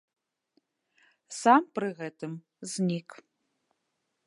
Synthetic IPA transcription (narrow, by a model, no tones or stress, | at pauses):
samprɨɣɛtʰɨm | znʲikʰ